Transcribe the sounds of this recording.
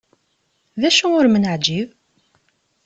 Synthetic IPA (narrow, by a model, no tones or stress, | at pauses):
ðæʃuʊɾmənəʕd͡ʒiv